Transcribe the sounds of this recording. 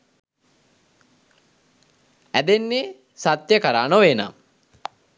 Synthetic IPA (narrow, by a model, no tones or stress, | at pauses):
æd̪enːe | sat̪jəkəɾaːnoʋeːna̰m